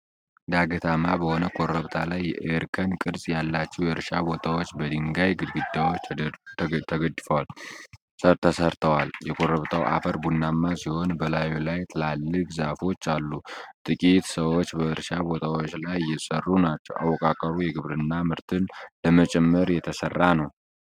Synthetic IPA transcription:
d̪aɡət̪ʰamabəho̞nəkʰoɾəβt̪ʰalajːɛʔɾkʰənkʼɨɾsʼjalːat͡ʃːɛwjɛɾʃabo̞t̪ʰawo̞t͡ʃːbəd̪ɨŋɡajɡɨd̪ɡɨd̪awot͡ʃ | t̪ʰəɡəd̪fəwal | səɾt̪ʰəsəɾt̪ʰəwaljɛkʰoɾəβt̪ʰawʔa̰fəɾbunːamːasiho̞nbəlajulajt̪ʰɨlalːɨkʼzafo̞t͡ʃːalːut̪ʼɨkʼit̪səwot͡ʃːbəɾʃabo̞t̪ʰawot͡ʃːlajːɛsərːunat͡ʃːɛwa̰wːɔkʼakʼəɾujɛɡɨβɾɨnːamɨɾt̪ʰɨnləmət͡ʃʼɛmːəɾjɛt̪ʰəsərːanəw

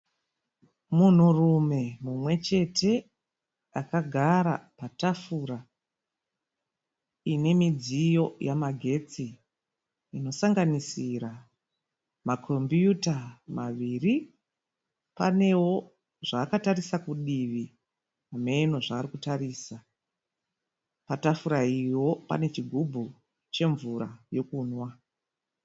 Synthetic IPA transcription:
mun̤urume̞mumwe̞t͡ʃe̞tʰe̞ | akaɡʱaɾa̰patafuɾa | ine̞mid͡zijo̞jʔamaɡʱe̞t͡siː | no̞saŋɡanisiɾa | makʰo̞mbjutamaʋiri | pa̰ne̞wo̞ | ʐaːkatarisakuɗiʋi | ame̞no̞ʐaːrikutaɾiːsa | patafuɾaiwo̞pa̰ne̞t͡ʃiɡʱubʱu | t͡ʃe̞ɱvuɾajo̞kuːnwa

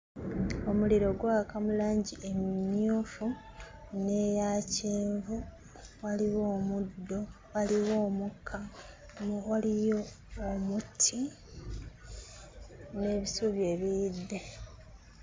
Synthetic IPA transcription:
o̞muliɾo̞ɡwakamulaːɲɟiʔe̞mjuːfu | ne̞jaciːɱvu | waliwo̞ːmud̪ːo̞ | waliwo̞ːmukʰːa | malijo̞ː | mutʰi | ne̞ːβisuːβje̞ːβijidːe̞

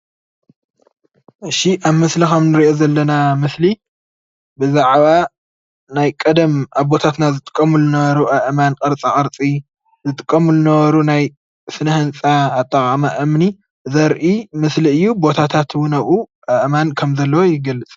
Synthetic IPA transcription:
ʔɨʃiʔaβmɨslikɐmnɨɾiʔo̞zɐlːɐnamɨsli | bɨzaʕβa | najkʼɐd̪ɐmʔaβbo̞t̪ʰat̪nazɨt̪ʼɨ̥kʼːɐmulɨnɐβɐɾuʔɐʔɨmanqʼɐɾt͡sʼaʔʼɐɾt͡sʼi | zɨt̪ʼɨkʼːɐmulɨnɐβɐɾunaj | sɨnɐhɨnt͡sʼaːt̪ʼːɐkʼamaʔɐmni | zɐɾʔimɨsliɨjːubo̞t̪ʰat̪ʰat̪ʰwʊnɐβuʔɐʔɨmankʰɐmzɐlːɐwojɪɡɐlːɨt͡sʼ

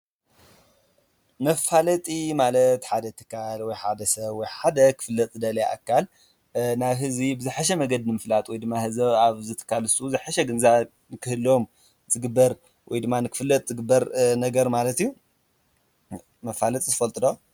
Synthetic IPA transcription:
mɐfalɐt̪ʼimalɐt̪ħad̪ɐt̪ʰɨ̥kʰalwɔjħad̪ɐsɐβwɔjħad̪ɐkʰɨ̥fɨlːɐt̪ʼzd̪ɐlɐʔa̰kʰːal | naβɦɨzibɨzɨħaʃ̬ɛmɐɡɐd̪nɨmɨflat̪ʼwɔjd̪ɨmːahɨzɐaβzɨt̪ʰɨ̥kʰːalɨsuzɨħaʃɛɡɨnza | nɨkʰɨhɨlo̞m | zʼɨɡɨbːɐɾ | wɔjd̪ɨmːanɨkʰɨ̥fɨlːɐt̪ʼzɨɡɨbːɐɾnɐɡɐɾmalɐt̪ijːu | mɐfalɐt̪ʼizɨfɐlt̪ʼɨd̪o

